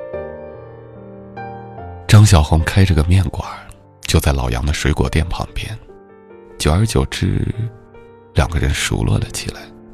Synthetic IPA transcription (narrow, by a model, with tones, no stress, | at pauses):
ʈ͡ʂɑ˥ŋɕ̬jɑ˨˩ʊxʊ˧˥ŋkʰa˥ɪʈ͡ʂɤ˥˩ɡə˩mjɛ˥˩nkwa˨˩˦ | t͡ɕjo˥˧ʊt͡sa˥˩ɪlɑ˨˩ʊjɑ̰˧˥ŋd̪ə˧ʂwe˧˥ɪkwɔ̰˨˩t̪jɛ˥˩npʰɑ̰˧˥ŋpjɛ̰˥n | t͡ɕjo˨˩ʊə˞˧˥t͡ɕjo˨˩ʊʈ͡ʂɻ̩̰˥ | ljɑ˨˩ŋɡə˦˧ɻə˧˥nʂṵ˨˧˥lʔwɔ̰˥˩lə˩t͡ɕʰḭ˨˩la˧˥ɪ